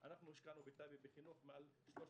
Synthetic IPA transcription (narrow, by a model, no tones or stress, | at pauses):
ʔanaχnuiʃkanubit̪abibiχinuχmealʃloʃ